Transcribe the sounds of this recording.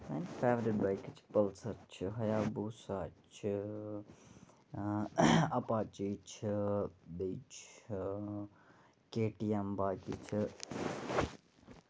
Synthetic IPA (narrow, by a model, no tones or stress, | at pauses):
ɐnfʰeːmɾibaːjkit͡ʃʰi̥pəlsɐɾt͡ʃʰiɦɐjaːbusaːt͡ʃʰi | ɐpat͡ʃit͡ʃʰibit͡ʃʰ | keːʈijembaːkḭt͡ʃʰi